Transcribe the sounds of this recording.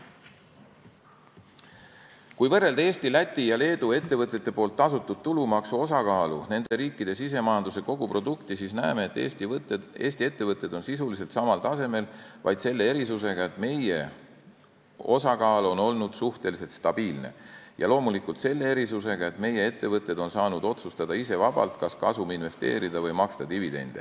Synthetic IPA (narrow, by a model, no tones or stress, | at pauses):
kujvɤrːe̞ld̪̥e̞ːst̪ilæt̪ʲːˑijɑle̞ːd̪ue̞t̪ːe̞vɤt̪ːˑe̞t̪ːe̞po̞ːlt̪ːɑsut̪ːˑud̪̥̚t̪ulumɑksuo̞sɑkɑːlune̞nd̪̥e̞ɾiːkːˑid̪̥e̞sis̬e̞mɑjɑnd̪use̞ko̞ɡ̥upro̞d̪ukt̪isisnæeme̞et̪ːˑ | e̞ːst̪ie̞t̪ːevɤt̪ːˑe̞d̪̥o̞nsisulis̬e̞lt̪sɑmɑlt̪ɑse̞me̞lvɑ̰jd̪se̞lːe̞e̞ɾisuse̞ɡ̥ɑe̞t̪me̞je̞̰ | o̞sɑkɑːlo̞no̞lnud̪̥suht̪e̞lise̞lt̪st̪ɑb̥iːlne̞̰jɑ̰lo̞ːmulikult̪se̞lːe̞e̞ɾisuse̞ɡ̥ɑe̞t̪me̞je̞e̞t̪ːe̞vɤt̪ːˑe̞d̪̥o̞nsɑːnud̪o̞t̪sust̪ɑd̪ɑise̞vɑb̥ɑ̰lt̪kɑskɑsuminve̞st̪e̞̰ːɾid̪̥ɑvɤjmɑkst̪ɑd̪ivid̪e̞̰nd̪̥ḛ